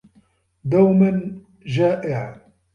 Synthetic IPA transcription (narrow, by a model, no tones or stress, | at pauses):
d̪awmɪn | ʒaːʔɪʕ